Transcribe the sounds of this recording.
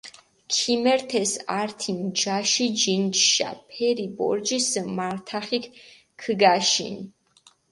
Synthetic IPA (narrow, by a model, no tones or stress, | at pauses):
kʰimɛɾt̪ʰɛsaɾt̪ʰimd͡ʒaʃid͡ʒint͡ʃʃa̰pʰɛɾibɔ̰ɾd͡ʒismaɾt̪ʰaχikʰ | kʰɡaʃḭn